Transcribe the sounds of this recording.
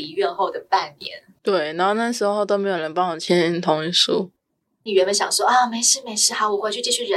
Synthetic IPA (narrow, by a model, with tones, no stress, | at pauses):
i˧˥ɥɛ˥˧nxo˥˩ʊd̪ə˩pa˥˩nmjɛ̰˧˥nt̪we˥˩ɪna˧˥xo˥˧ʊna˥˩ʂ̬ɻ̩˧˥o˥˧˥o˥˧ʊt̪o˥ʊme˧˥ɪjo˨˩ʊnə˧˥npɑ˥ŋwɔ˨˩t͡ɕʰjɛ˥ni˥nt̪ʰʊ˧˥ŋi˧˥˩ʂu˥ | ni˨˩ɥɛ˧˥nmə˧˥nɕjɑ̰˨˩ŋʂwɔ˥ʔɑ˥˩me˧˥ɪʂɻ̩˥˩me˧˥ɪʂɻ̩˥˩xa˧˥wɔ˨˩xwe˥˧ɪt͡ɕʰy˥˧t͡ɕi˥˧˩t͡ɕʰy˥˩ɻə˧˦